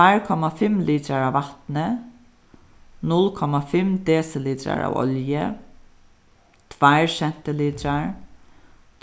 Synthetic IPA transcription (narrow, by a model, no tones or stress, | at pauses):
ajɹkʰɔmafɪmliːt̪ɾaɹaʋːat̪nə | nʊlkʰɔmafɪmd̪ɛːsɪliːt̪ɾa̰ɹa̰ːwɔ̰ljə | t̪ʰvajɹsɛn̥t̪ɪliːt̪ɾaɹ